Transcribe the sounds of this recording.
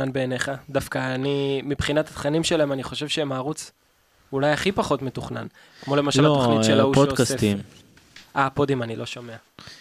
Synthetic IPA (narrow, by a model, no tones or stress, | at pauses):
anbeːneχad̪afkaːnimipχinat̪at̪χanimʃelaemaniχo̞ʃevʃeemaːʁut͡s | ulajaχipaχo̞tmet̪uχnan | kmo̞le̞maʃalattoχniʃelaupookaset̪im | ʔapod̪imanilo̞ʃome̞a